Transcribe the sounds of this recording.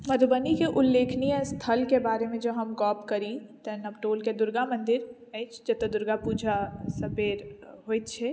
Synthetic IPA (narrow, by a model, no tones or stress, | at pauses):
mɐd̪bənikeʔʊlːeːkʰnijast̪ʰəlkebaːɾemẽd͡ʒɐbɦɐmkɔːpkɐɾit̪ɛnɐbʈoːlked̪ʊɾɡamə̃nd̪ɪɾ | əɪt͡ʃʰd͡ʒɐt̪ɐd̪ʊɾɡapuːd͡ʒʱasɐpeːɾɦoːjt̪t͡ʃʰɛ